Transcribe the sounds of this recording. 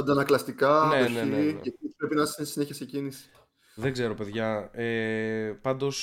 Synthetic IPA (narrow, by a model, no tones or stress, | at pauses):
ɐnd̪ɐnɐklɐst̪ikɐneonietipɾepinɐsnsineçiɐsecinisi̥ | ðe̞ɡze̞ɾo̞pe̞ðʝɐepɐnd̪o̞s